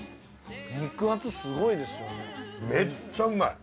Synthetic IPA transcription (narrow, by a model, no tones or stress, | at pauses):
mikɯat͡sɨsɨɡo̞id̪e̞sɨjonemet͡ɕːaŋa